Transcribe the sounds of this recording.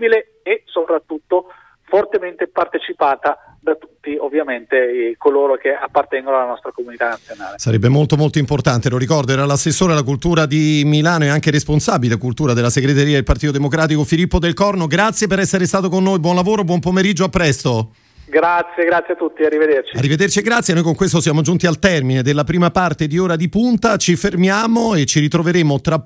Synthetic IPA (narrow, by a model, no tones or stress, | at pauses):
bile | esopɾat̪ːut̪ːo | fort̪ement̪epart̪et͡ʃipaːt̪a | d̪at̪ut̪ːiovːjament̪ekoloːɾokeapːart̪ɛŋɡonoalːanɔst̪ɾakomunit̪anat̪sːjona̰ːlesaɾɛ̰bːemolt̪omolt̪oimport̪ant̪eloɾikɔrd̪oɛɾalasesːoːɾealakult̪uːɾad̪imilaːnoɛaŋk̟eɾesponsaːbilekult̪uːɾad̪elːaseɡɾet̪eɾiːad̪elpart̪it̪od̪emokɾaːt̪ikofilipːod̪elkɔrnoɡɾat̪sːjepeɾɛsːeɾest̪aːt̪okonːojbwɔnlavoːɾobwɔmpomeɾid͡ʒːoapːɾɛst̪o | ɡɾat̪sjeɡɾat̪sːjeat̪ːut̪ːiarːived̪ert͡ʃiarːived̪ert͡ʃieɡɾat̪sːjenojkoŋkwest̪osjaːmod͡ʒunt̪ialt̪ɛrmined̪elːapɾiːmapart̪ed̪ioːɾad̪ipunt̪at͡ʃifermjaːmoet͡ʃiɾit̪ɾoveɾeːmot̪ɾa